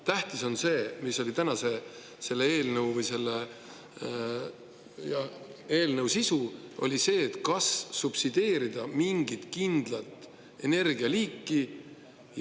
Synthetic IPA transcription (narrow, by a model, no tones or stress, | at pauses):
t̪æht̪iso̞nse̞ːmisːo̞lit̪ænɑse̞ | se̞lːee̞ːlnəwvɯjse̞lːe | jɑ | e̞ːlnəwsisuʔo̞̰lʲise̞ːt̪kɑssupsid̪̥e̞ːɾid̪̥ɑmiŋɡ̥it̪kind̪̥lɑt̪ːˑ | e̞̰ne̞rɡiɑliːkːˑi | j